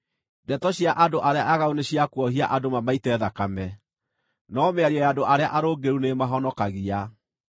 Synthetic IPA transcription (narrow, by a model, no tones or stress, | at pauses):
dɛtɔɕiaʔadoʔaɾeaʔaɣaoneɕiakwɔhiaʔadomamaitɛːðakamɛ | nɔmeaɾiɔjadoʔaɾeaʔaɾoːɡeɾunemaɦɔnɔkaɣia